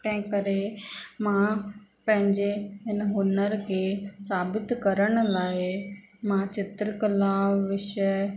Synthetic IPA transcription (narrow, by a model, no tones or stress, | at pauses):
k̪ɐ̃ɦɪ̃kɐɾemãpɐ̃ɦɪ̃ɲd͡ʑeɦɪnɦʊnəɾkʰeːsaːbɪt̪kɐɾəɽ̃ʊlaːɪ | mãt͡ɕɪt̪ɾəkɐlaːʋɪʃə